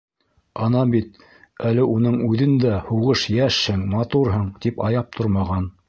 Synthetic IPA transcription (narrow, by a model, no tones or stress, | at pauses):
ɑnɑbit̪̚ | ælɘʔunɤɴʉðɘnd̪æhuʁɤʃjæʃhɘŋmɑt̪uɾɦɤɴt̪ipɑjɑp̚t̪ʰoɾmɑʁɑn